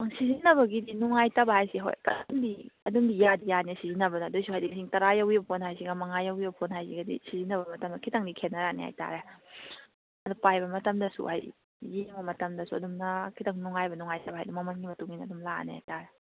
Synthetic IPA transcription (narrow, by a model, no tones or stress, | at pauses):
aŋsizinːɐβɐɡidinuŋajtɐbɐhajsiɦo̰jkɐ̰dmdiɐdumdijadijanisizinɐbɐnɐːdujsuhajdiksiŋtɐɾajawibɐpʰonhajsiɡɐmɐŋajɐwibɐpʰonhajsiɡɐdḭsizinːɐbɐmɐtɐmdɐkʰitɐŋdikʰenːɐɾanḛha̰jta̰ɾe | ɐdupajbɐmɐtɐmdɐsṵha̰jː | eŋbɐmɐtɐmdɐsuɐ̰dumnɐkʰitɐŋnuŋajbɐnuŋajtɐbɐɦajdɐmɐmɐnɡimɐtuŋinɐɐdumla̰nḛha̰jtaɾe